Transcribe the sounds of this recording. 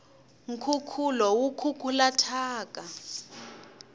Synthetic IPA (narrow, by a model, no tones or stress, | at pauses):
ŋ̩kʰukʰulɔwukʰukʰulatʰaːkʼa